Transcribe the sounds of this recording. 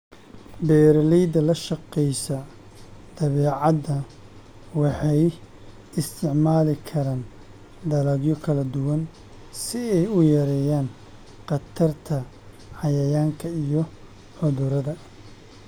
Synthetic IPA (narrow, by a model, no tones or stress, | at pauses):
bɛːɾlɛjd̪ɐlɐʃɑqɛjsɐ | d̪̥ɐβɛːʕɑd̪ɐ | wɑħɑj | ɪst̪ʰɪʕmaːlɪkʰɐɾaːn | d̪ɐlɐɡjɔkʰɐlɐd̪ʊwɐn | sɪɛjʊjɐɾɛːjaːn | qɑt̪ʰɐrt̪ʰɐ | ʕɑjɐjaːŋkʰɐijɔ | ħʊðʊɾɐðɐ